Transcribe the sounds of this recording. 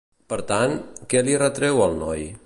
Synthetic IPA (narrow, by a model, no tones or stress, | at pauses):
pəɾt̪ankɛlirət̪ɾɛwəlˠnɔj